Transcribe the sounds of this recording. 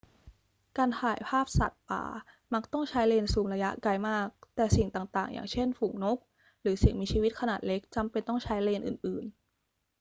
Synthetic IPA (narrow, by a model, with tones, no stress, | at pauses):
kaː˧nt̪ʰaː˨˩jpʰaː˥˩p̚sa̰˨˩t̪̚pa̰ː˨˩˦ | ma˦˥k̚t̪ɔ˥˩ŋt͡ɕʰa˦˥jleː˧nsuː˧mɾa˧ja˦˥ʔka˧jmaː˥˩k̚t̪ɛː˨˩si˨˩ŋt̪aː˨˩ŋt̪aː˨˩ŋja̰ː˨˩ŋt͡ɕʰe˥˩nfu˨˩˦ŋno˦˥k̚ | ɾɯː˩˦si˨˩ŋmiː˧t͡ɕʰiː˧wi˦˥t̪̚kʰa˧naː˨˩t̪̚le˦˥k̚t͡ɕa˧mpe˧nt̪ɔ˥˩ŋt͡ɕʰa˦˥jleː˧nʔɯ̰ː˨˩nʔɯː˨˩n